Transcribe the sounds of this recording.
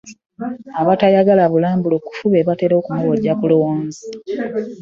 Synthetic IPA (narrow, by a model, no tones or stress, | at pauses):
aβatajaɡalaβulaːmbulo̞ku̥fuβeβateɾokumowodakulo̞woːnzi